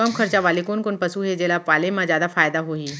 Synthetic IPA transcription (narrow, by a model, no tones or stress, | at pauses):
kɐmxɐɾt͡ʃaʋaːlikʊnkʊnpɐsuɦed͡ʑeːlapʋaːlemãzjaːd̪afaːjd̪aɦoːɦiː